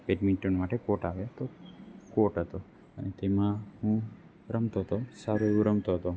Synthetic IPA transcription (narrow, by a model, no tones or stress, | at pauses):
peɖminʈonmaʈekoʈaʋet̪okoʈɦət̪o | ənet̪emãɦũ | ɾəmt̪oɦət̪osaɾueʋũɾəmt̪oɦət̪o